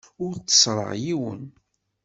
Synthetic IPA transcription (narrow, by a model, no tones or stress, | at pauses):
ʊɾt͡sːə̥sˤɾˤə̰ʁjiwə̰n